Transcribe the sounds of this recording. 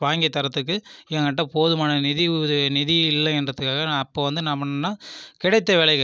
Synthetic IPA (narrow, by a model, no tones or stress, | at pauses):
ʋaːŋɡɐt̪ːɐɾɐt̪ːɯk̬ːɯɛɐŋɡɐʈ̬ːɐ̃poːðɯmaːnɐnɪðɪðnɪðɪɪlːɐɛndrɐðɯkːaːɣɐːpːoʋɐnd̪ɯnamɐnnːaːkɪɽɐɪt̪ːɐʋɪɭɐɪɣɯ